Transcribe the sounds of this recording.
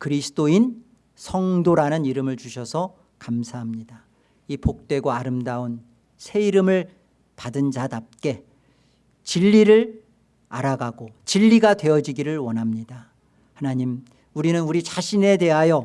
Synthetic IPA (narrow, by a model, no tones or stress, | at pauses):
kɯɾisʰɯ̥t͈oin | sʰʌŋdoɾanɯniɾɯmɯɭt͡ɕuɕʰʌsʰʌ | kamsʰaɦamɲida | ipok̚t͈we̞ɡoaɾɯmdaun | sʰe̞iɾɯmɯɭ | padɯnd͡ʑadap̚k͈e̞ | t͡ɕiʎːiɾɯɭ | a̰ɾaɡaɡot͡ɕiʎːiɡadwe̞jʌd͡ʑiɡiɾɯɭwʌnɦamɲida | hanaɲim | uɾinɯnuɾit͡ɕaɕʰine̞te̞ɦajʌ